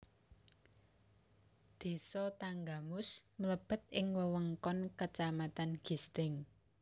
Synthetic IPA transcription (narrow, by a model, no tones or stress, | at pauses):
d̪̥e̤sɔt̪aŋɡamʊsmələb̥ə̤t̪̚ʔɪŋwəwəŋkɔnkət͡ʃamat̪anɡ̥ist̪ɪŋ